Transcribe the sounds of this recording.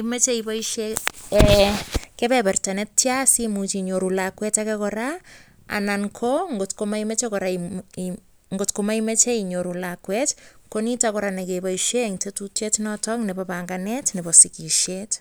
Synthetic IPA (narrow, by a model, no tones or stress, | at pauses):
imet͡ʃeibaiʃe | kepɛpɛrtanɛttjasimut͡ʃiɲoɾulakwɛtakɛkɔɾa | a̰naŋkʰoŋɡotkomaimet͡ʃekɔɾa | ŋɡotkomaimet͡ʃeiɲoɾulakwɛtkonitakɔɾanekebajʃeŋtetutetnɔtɔknɛpapaŋɡanɛtnɛbɔsikiʃet